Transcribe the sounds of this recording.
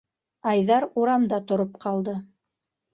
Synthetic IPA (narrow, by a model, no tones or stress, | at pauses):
ɑjðɑɾuɾɑmd̪ɑt̪ŏɾop̚qʰɑlˠd̪ɤ